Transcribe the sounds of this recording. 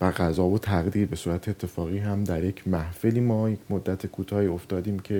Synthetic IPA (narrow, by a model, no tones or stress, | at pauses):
væɣæzɒːvot̪ʰæɣd̪iːɾbe̞suːɾæt̪ʰeet̪ʰːe̞fɒːɣiːɦæmd̪æɾje̞cʰmæhfe̞liːmɒːjecʰmod̪ːæt̪ʰekʰuːt̪ʰɒːhiːo̞ft̪ɒːd̪iːmcʰe̞